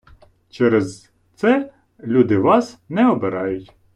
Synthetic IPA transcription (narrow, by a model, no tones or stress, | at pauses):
t͡ʃɛɾɛz | t̪sɛ | lʲud̪ɪʋɑsnɛɔbeɾɑjʊtʲ